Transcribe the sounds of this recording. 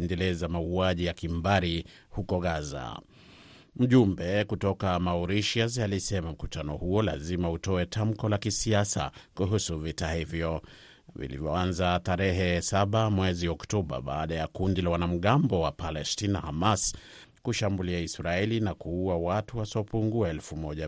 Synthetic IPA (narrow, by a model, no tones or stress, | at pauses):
ndɛlɛzamauaʄijakimbaɾi | hukɔɣaza̰ | m̩ʄumbɛkutɔkamauɾiʃiazalisɛmam̩kutanɔhuɔla̰zimautɔɛtʰam̩kɔlakisiasa̰kuɦusuvitahivjɔ | vḭlḭvjɔanzataɾɛɦɛsaɓamwɛziɔktɔɓa̰ɓaːɗajakundilawanam̩ɠambɔwapalɛstinahamas | kuʃambuliaisɾaɛlinakuuawatuwasiɔpuŋɡuaɛlfumɔʄa